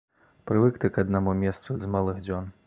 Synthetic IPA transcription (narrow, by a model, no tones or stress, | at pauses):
pɾɨvɨkt̪ɨkɐd̪̚namumʲɛst̪suzmalˠɨxd͡zʲɔn